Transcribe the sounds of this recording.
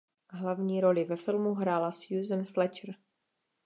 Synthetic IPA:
ɦlavɲiːɾolɪvɛfɪlmuɦɾaːlasjuːzənflɛt͡ʃɾ

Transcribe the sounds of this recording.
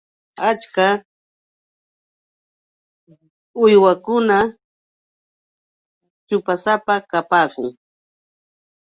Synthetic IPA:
at͡ʃka | ʊjwakʊna | t͡ʃʊpasapakapaːkʊ̰ŋ

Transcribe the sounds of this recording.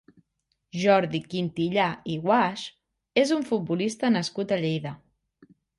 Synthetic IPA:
ʒɔɾðikint̪iʎaiɣwaʃ | ezuɱfut̪̚bulist̪ənəskut̪əʎejðə

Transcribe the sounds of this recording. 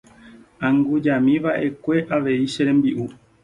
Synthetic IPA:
ãŋɡud͡ʒamĩʋaʔe̞kʷe̞ʔaʋe̞iʃeɾẽmbiʔu

